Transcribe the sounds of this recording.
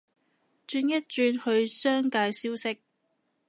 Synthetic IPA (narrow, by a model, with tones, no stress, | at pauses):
t͡ʃyː˧njɐ˥t̚t͡ʃyː˧nhɵ˧ɥsœː˥ŋkaː˧jsiː˥wsɪ˥k̚